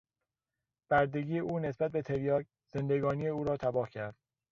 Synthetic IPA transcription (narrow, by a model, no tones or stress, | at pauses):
b̥æɾd̪e̞ɡiːeʔuːne̞sbæt̪̚be̞t̪ʰe̞ɾjɒːɡ | z̥e̞nd̪e̞ɡɒːnijeuːɾɒːt̪ʰæbɒːhcʰæɾd̪̥